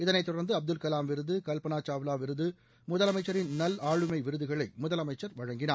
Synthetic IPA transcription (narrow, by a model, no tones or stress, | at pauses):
ɪðɐnɐɪt̪ːʊɽɐɾnd̪ɯɐb̚d̪ɯlkɐlaːmʋɪɾɯðɯkɐlpɐnaːt͡ʃaːʋɯlaːʋɪɾɯðɯ | mʊðɐlɐmɐɪt͡ʃːɐɾɪnnɐlaːɻɯmɐɪʋɪɾɯðɯɣɐɭɐɪmʊðɐlɐmɐɪt͡ʃːɐɾʋɐɻɐŋɡɪnaː